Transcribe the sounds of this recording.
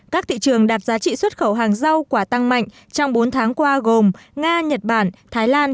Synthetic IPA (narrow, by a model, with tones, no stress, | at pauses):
kaː˦˥k̚t̪ʰḭ˧˨t͡ɕɨ˨˩əŋɗaː˨˩p̚zaː˨˦t͡ɕḭ˧˨swə˦˥t̚xə˧˩wɦaː˨˩ŋza˧wkwaː˧˩t̪a˧ŋma̰˧˨jŋ̟ | t͡ɕɔ˧wŋ͡mɓo˨˦nt̪ʰaː˨˦ŋkwaː˧ɣo˨˩mŋaː˧ɲə˨˩t̚ɓaː˧˩nt̪ʰaː˨˦jlaː˧n